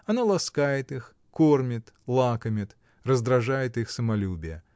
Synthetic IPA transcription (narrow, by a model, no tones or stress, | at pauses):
ɐnalˠɐskajɪt̪ɨx | kormʲɪt̪lˠakəmʲɪt̪ | rəzd̪ɾɐʐajɪt̪ɨxsəmɐlʲubʲɪjə̰